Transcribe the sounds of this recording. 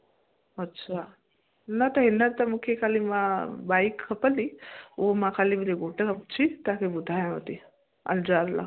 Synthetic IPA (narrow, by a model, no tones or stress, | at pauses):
ɐtːʃʰa | nat̪ɐɦinːɐt̪ɐmukʰjekʰalimabajkkʰːɐpəliomãkʰalibɾeɡoʈakʰɐpt͡ʃʰit̪akebud̪ʱajãɦot̪i | ɐ̰ld͡ʒaɾla̰